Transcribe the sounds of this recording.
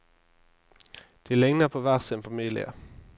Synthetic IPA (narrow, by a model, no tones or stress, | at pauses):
d̪̥ɪlɛŋnəpʰɔʋæʁsɪnfamiːlɪ̰ə̰